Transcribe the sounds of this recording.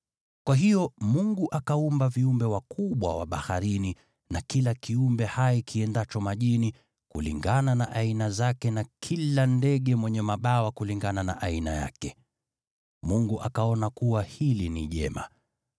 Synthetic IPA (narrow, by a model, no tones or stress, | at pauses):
kwaɦijɔmuŋɡuʔakaumbaviumbɛwakʰuɓwa̰wa̰ɓaha̰ɾini | nakilakiumbɛhajikʰiɛndat͡ʃɔmaʄini | kṵlḭŋɡananaʔainazakɛnakʰilandɛɠɛmwɛɲɛmaɓawakuliŋɡanana̰ʔainaja̰kɛ | muŋɡuʔakaɔnakuwahiliniʄɛ̰ma̰